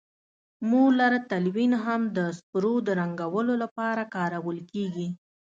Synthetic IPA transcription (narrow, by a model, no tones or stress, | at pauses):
muɡlaɾat̪alwinɦamd̪əspɾod̪əɾaŋɡawəlolapɑɾakɑɾawəlkeɡi